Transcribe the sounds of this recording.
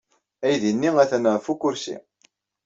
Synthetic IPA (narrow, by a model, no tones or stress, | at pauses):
æjðinːiæθænəʁfukːʊɾsḭ